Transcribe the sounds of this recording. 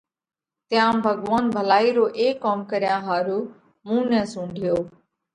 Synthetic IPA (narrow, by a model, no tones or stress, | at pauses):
t̪ɪjãːbʱəɡʋaːnbʱəlaːiːɾoːʔeːkaːmkəɾɪjãːɦaːɾuː | mũːnɛ̃ːsũːɳɖʱijoː